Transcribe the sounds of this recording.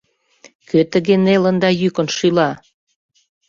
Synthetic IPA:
køt̪əɣenelənd̪ɑjykə̆nʃylɑ

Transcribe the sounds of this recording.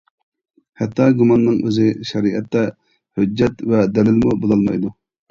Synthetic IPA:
hɛt̪ʰːɑɡumɑnːɨŋʔøzɪʃɛɾiʔɛt̪ːɛ | hød͡ʒːɛt̪vɛd̪ɛlɪlmubolˠɑlˠmɑ̰jd̪u

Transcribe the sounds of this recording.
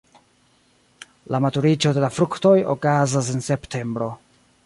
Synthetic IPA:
lamatuɾit͡ʃo̞de̞lafɾukto̞jo̰kazas̬ense̞ptʰe̞mbɾo̞

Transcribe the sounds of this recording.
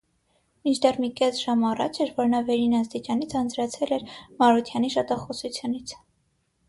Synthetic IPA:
mint͡ʃʰd̪ɛrmikɛsʒ̥ɑmɑrɑ̰t͡ʃʰɛɾvɔɾnɑvɛɾinɑst̪it͡ʃɑnit͡sʰɑnd͡zɾɑt͡sʰɛlɛɾmɑɾut̪ʰjɑniʃɑt̪ʰɑχɔsut͡sʰjunit͡sʰ

